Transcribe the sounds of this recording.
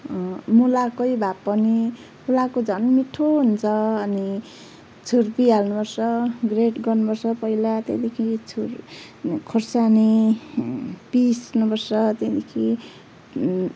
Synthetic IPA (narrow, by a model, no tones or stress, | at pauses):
mulakʌjbʱapːʌni | mulakod͡zʱʌnmiʈʰoɦunt͡sʰʌːni | t͡sʰurpialnubʌrsʌɡreʈɡʌrnubʌrsʌpʌilat̪ḛd̪ekʰit͡sʰur | kʰorsani | pisnubʌrsʌt̪ed̪ekʰi